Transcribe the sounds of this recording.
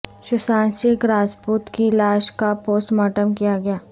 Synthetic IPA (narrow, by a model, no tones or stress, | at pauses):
ʃʊʃãːnʃɪkɾaːd͡ʒpuːt̪kilaːʃkapoːsʈmaːʈəmkijaɡɐjaː